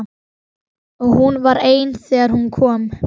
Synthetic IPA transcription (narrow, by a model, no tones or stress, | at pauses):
ɔɣhunvaɾeːjnθɛːɣaɾ̥hunkʰɔːm